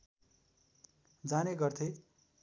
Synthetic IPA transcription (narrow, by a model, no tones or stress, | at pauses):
d͡zaneɡʌrt̪ʰe